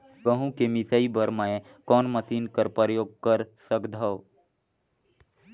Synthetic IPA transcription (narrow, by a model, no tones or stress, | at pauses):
ʋəɦũkemɪsaibəɾmaẽ | kɔːnmɐsiːnkəɾpəɾjoːɡ̚kəɾsəkd̪ʱao